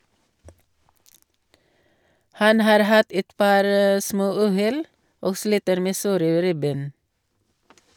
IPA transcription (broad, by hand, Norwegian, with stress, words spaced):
ˈhɑn ˈhɑːɾ ˈhɑt ˈɛt ˈpɑːɾ ə ˈsmoːˌʉːˌhɛl ˈoːɡ ˈsliːtəɾ ˈmeː ˈsoːɾə ˈɾɪˌbeːn